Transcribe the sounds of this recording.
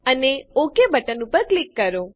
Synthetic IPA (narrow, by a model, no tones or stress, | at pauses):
əneokebəʈənũpəɾklikːəɾo